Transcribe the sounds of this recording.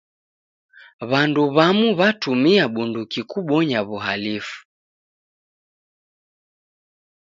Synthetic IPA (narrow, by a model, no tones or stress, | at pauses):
βanduβamuβatumiaɓundukikuɓɔɲaβuɦalifu̥